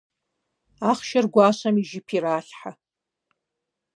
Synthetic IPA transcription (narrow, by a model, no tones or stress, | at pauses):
aχʃarɡʷaːʃamiʒɪpʰiraːɬħa